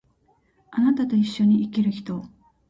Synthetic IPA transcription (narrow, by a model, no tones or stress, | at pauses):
anat̪at̪o̞iɕːo̞ɲ̟iikʲiɾɯ̟çi̥t̪o̞